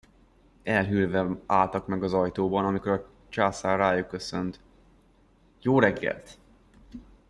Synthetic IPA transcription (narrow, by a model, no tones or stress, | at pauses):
ɛlɦylvɛaːlt̪ɒkmɛɡɒzɒjt̪oːbɒnɒmiko̞ɾɒ | t͡ʃaːsaːrraːjukːø̞sønt̪ | joːɾɛɡːɛ̰lt̪